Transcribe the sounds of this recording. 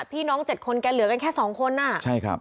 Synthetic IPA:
pʰiː˥˩nɔː˦˥ŋt͡ɕe˨˩t̪̚kʰo˧nkɛː˧lɯ˩˦ɐka˧nkʰɛː˥˩sɔː˩˦ŋkʰo˧nːaː˥˩t͡ɕʰa˥˩jkʰɾa̰˦˥˩p

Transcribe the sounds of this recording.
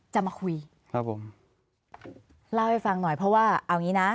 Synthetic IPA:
t͡ɕa˨˩maː˧kʰu˧j | kʰa˦˥pʰːo˩˦m | laː˦˥˩wha˥˩jfa˧ŋnɔ˨˩jpʰɾɔ˦˥waː˥˩ʔa˧˩wŋiː˦˥na˦˥

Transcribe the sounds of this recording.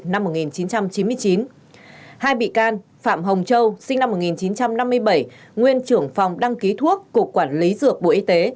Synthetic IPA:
na˧mːo˨˩ŋi˨˩nt͡ɕi˨˦nt͡ɕa˧mt͡ɕi˨˦nmɨ˧əjt͡ɕi˨˦n | haː˧jɓḭ˧˨kaː˧n | fa̰ː˧˨mɦə˨˩wŋ͡mt͡ɕə˧wsï˧ŋ̟na˧mːo˨˩t̚ŋi˨˩nt͡ɕi˨˦nt͡ɕa˧mna˧mːɨ˧əjɓə˧˩jŋwi˧ənt͡ɕɨ˧˩əŋfa˨˩wŋ͡mɗa˧ŋki˨˦t̪ʰu˦˥əkːʊ˨˩əkːwaː˧˩nli˨˦zɨ˧˩ək̚ɓo̰˧˨ʔi˧t̪e˨˦

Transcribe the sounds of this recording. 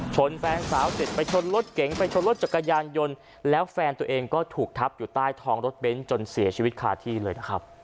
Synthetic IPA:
t͡ɕʰo˧nfɛː˧nsaː˩˦wsi˨˩t̪̚pa˧jt͡ɕʰo˧nɾo˦˥t̪̚ke˩˦ŋpa˧jt͡ɕʰo˧nlo˦˥t̪̚t͡ɕa˨˩kːa˧jaː˧njo˧n | lɛː˦˥wfɛː˧nt̪u˧ɐʔeː˧ŋkɔː˥˩t̪ʰuː˨˩k̚t̪ʰa˦˥p̚juː˨˩t̪aː˥˩jt̪ʰɔː˧ŋɾo˦˥t̪̚be˦˥nt͡ɕo˧nsi˨˩˦ɐt͡ɕʰiː˧wi˦˥t̪̚kʰaː˧t̪ʰiː˥˩lɤː˧jna˦˥kʰɾa˦˥p̚

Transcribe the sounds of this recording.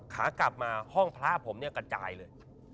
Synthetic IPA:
kʰaː˩˦kla˨˩p̚maː˧hɔ˥˩ŋpʰɾaː˦˥pʰo˩˦mni˥˩ɐkɾa˧t͡ɕa̰ː˧jlɤː˧j

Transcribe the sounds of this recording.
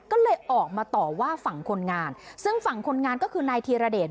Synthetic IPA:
kɔː˥˩lɤː˧jʔɔː˨˩k̚maː˧t̪ɔː˨˩waː˥˩fa˨˩ŋkʰo˧nŋaː˧nsɯ˥˩ŋfa˨˩˦ŋkʰo˧nŋaː˧nkɔː˥˩kʰɯː˧naː˧jt̪ʰiː˧ɾa˧deː˨˩

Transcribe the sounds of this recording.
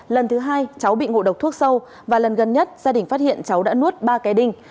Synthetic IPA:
lə˨˩nt̪ʰɨ˨˦ɦaː˧jt͡ɕa˨˦wɓḭ˧˨ŋo̰˧˨ɗə˨˩k͡p̚t̪ʰu˦˥ək̚sə˧w | vaː˨˩lə˨˩nɣə˨˩nɲə˦˥t̚zaː˧ɗï˨˩ŋ̟faː˦˥t̚hḭ˧˨ənt͡ɕa˨˦wɗa̰ː˧˥nu˦˥ət̚ɓaː˧ka˨˦ɗï˨˩ŋ̟

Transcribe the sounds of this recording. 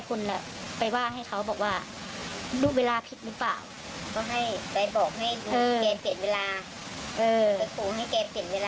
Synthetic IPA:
kʰo˧nlɛ̰˧˩ | pa˧˩jwaː˥˩ŋɦa˥˩jkʰa˦˥wbɔː˨˩k̚waː˧˥˩ | duː˧˩weː˧laː˧pʰi˨˦t̪̚ɾɯː˦˥˩pla̰ː˨˩w | kɔː˧˩ɦa˥˩jpa˧jbɔː˨˩k̚ɦa˥˩jduː˧ɤː˧kɛː˧pi˨˩ə˦nweː˧laː˧ | ʔɤː˧a˧jkʰuː˨˩˦ɦa˥˩jkɛː˧pi˨˩ənweː˧lː

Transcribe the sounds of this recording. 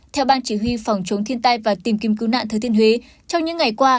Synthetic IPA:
t̪ʰɛ˧wɓaː˧nt͡ɕi˧˩ɦwi˧fa˨˩wŋ͡mt͡ɕə˨˦wŋ͡mt̪ʰi˧ənt̪aː˧jvaː˨˩t̪i˨˩mki˨˦mkɨ˨˦wna̰ː˧˨nt̪ʰəː˨˧˩t̪ʰi˧ənɦwe˨˦ | t͡ɕɔ˧wŋ͡mɲɨ̰˧˥ŋːa˨˩jkwaː˧

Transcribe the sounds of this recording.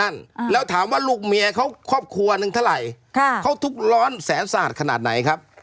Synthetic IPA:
a˥˩nlɛː˦˥wt̪ʰaː˩˦mwaː˧˩luː˥˩k̚mi˧ɐkʰa˦˥wkʰɔː˥˩p̚kʰu˧ɐnɯ˧ŋt̪ʰa˥˩ɾa˨˩jʰ | kʰa˦˥˩wt̪ʰu˦˥˩k̚lɔː˦˥nsɛː˩˦nsaː˨˩t̪̚kʰa˧naː˨˩t̪̚na˩˦jkʰa˦˥p̚

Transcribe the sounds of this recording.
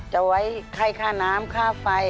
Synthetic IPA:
t͡ɕa˧˩wa˦˥˩jkʰa˧˥˩jkʰaː˥˩naː˦˥mkʰaː˥˩fa˧j

